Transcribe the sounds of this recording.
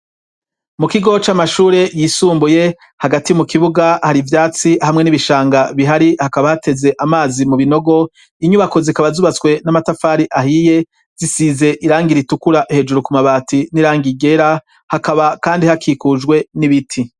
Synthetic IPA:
mukiɡo̞t͡ʃamaʃuːɾe̞jiːsuːmbuje̞ | haɡatimukiβuɡahaɾivjaːt͡sihamŋe̞niβiʃaːŋɡaβiɦaɾihakaβahate̞ze̞ʔamaːzimuβino̞ɡo̞ | iɲuβako̞zikaβazuβat͡swe̞namatafaːɾiʔaɦije̞ | z̥isize̞ʔiɾaːŋɡiɾitukuɾaʔhe̞d͡ʒuɾukumaβaːtiniɾaːŋɡiɡe̞ɾa | hakaβakaːndihakʰikuʒɡwe̞niβitʰi

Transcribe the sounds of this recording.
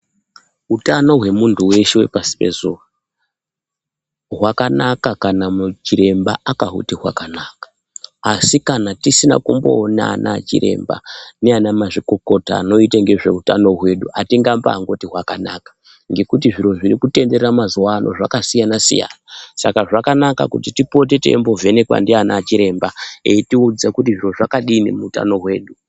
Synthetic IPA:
ɦutano̞ɦwe̞muntʰuwe̞ʃewe̞̰pasi̥pe̞̰zuːa | ɦwakanakakanamut͡ʃiɾe̞mbaakaɦṵtiɦwakanakḁː | sikanatisina̰kumbo̞ːna̰na̰t͡ʃḭɾʔe̞̰mba̰neanamaʐiko̞ko̞ta̰ːno̞iteŋɡe̞ʐe̞utano̞ɦwe̞ɗuatiŋɡamba̰ːŋɡo̞tiɦwakanakḁ | ŋɡe̞kut̬iʐiro̞ʐiɾikute̞nde̞rramazuwaːnʔo̞ʐa̰kasijanasḭja̰ːnasakaʐakanaka̰kutitipo̞t̬e̞te̞̰mbo̞ve̞ne̞kwa̰ndianaːt͡ʃiɾe̞mbaeitiud͡zakut̬iʐiro̞ʐakaɗinḭmuuta̰no̞ɦwe̞ːɗu

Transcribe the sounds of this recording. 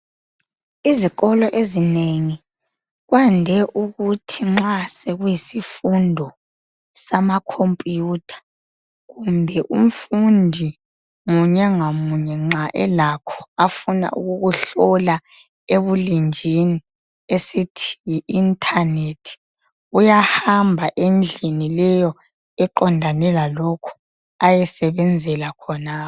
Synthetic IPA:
iziɣɔlɔʔezineŋi | ɣwandʱɛʔuɣutʰiŋ͡ǁasɛɣwjisifundʱɔ | samakʰompʼjutʰḁ | ɣumbʱɛʔum̩fundʱi | ŋuɲɛŋamuɲɛŋ͡ǁaʔɛlakʰɔ̥afuna̰ʔṵɣuɣuɬɔla | eβulind͡ʒʱini | esitʰi̥jiʔintʰanetʰi̥ | ujahambʱaʔend͡ɮʱinilɛjɔ | ɛǃɔndʱanɛlalɔkʰɔ̥ | ajɛsɛβɛnd͡zʱɛlakʰɔnaː

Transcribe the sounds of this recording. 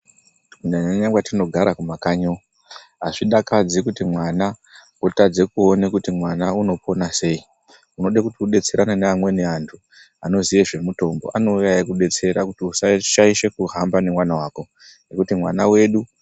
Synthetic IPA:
unaɲaɲaŋɡwatino̞ɡʱaɾakumakaɲo | ɦaʐiɗakad͡zikutimwana | wotad͡zekuo̞nekutimwanauno̞po̞nase̞ːi | uno̞ɗakutiuɗe̞t͡se̞ɾʔananeamwe̞neantʰu | ano̞ziʋe̞ʐe̞muto̞mbo̞̰ʔano̞ujaekuɗe̞t͡se̞ɾakutiusaʃaiʃe̞kuɦambanemwanawaːko̞ | nekutimwanawe̞ɗu

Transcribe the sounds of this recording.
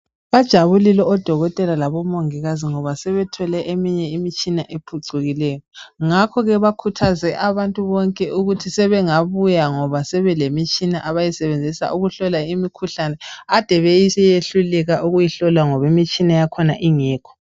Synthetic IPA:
βad̥ʒ̥ʱaβulilɛɔd̥ʱɔɣɔtʼɛlalaβɔmoŋiɣaziŋɔβasɛβɛtʰɔlɛʔemiɲɛimit͡ʃʼinaʔepʰuǀuɣilɛjɔŋakʰɔɣɛβakʰutʰazɛʔaβantʼuβɔŋkʼɛʔuɣutʰisɛβɛŋaβujaŋɔβasɛβɛlemit͡ʃʼinaʔaβajɛsɛβend͡zʱisa̰ʔuɣuɬɔlaimikʰuɬanɛad̥ʱɛβɛjisɛjeɬulɛɣaʔuɣujiɬɔlaŋɔβimit͡ʃʼinajakʰɔnaʔiŋɛːkʰɔ̥

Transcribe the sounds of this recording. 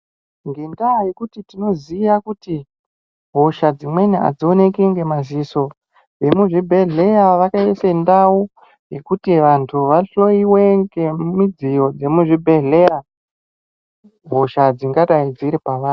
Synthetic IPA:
ŋɡe̞ndaje̞kutitino̞zijakuti | ɦo̞ʃad͡zimwe̞nea̰d͡zione̞keŋɡe̞maziso̞ | ʋe̞muʐibʱe̞ɮe̞jaʋakaesendau | je̞kutiʋantʰuʋaɬo̞iwe̞ŋɡemid͡zijo̞d͡ze̞muʐibʱe̞ɮe̞ja | ɦo̞ʃad͡ziŋɡataid͡ziɾipaʋaːnu

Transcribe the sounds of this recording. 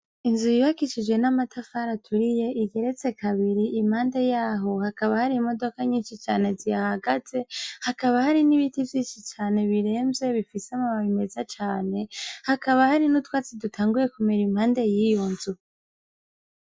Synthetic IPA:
inzujiβakit͡ʃid͡ʒwe̞namatʰafaɾatʰuɾije̞ʔiɡe̞ɾe̞t͡se̞kaβiɾiʔim̥haːnde̞jaːɦo̞hakaβahaɾimo̞do̞kaɲiːnʃit͡ʃa̰ːne̞zijahaɡaz̥e̞hakaβahaɾiniβitivjiːnʃit͡ʃaːne̞βiɾe̞ːmze̞βifiseamaβaβime̞zat͡ʃaːne̞hakaβahaɾinutwaːt͡sidutʰaːŋɡuje̞kumeɾimhaːnde̞jiːjo̞nzu

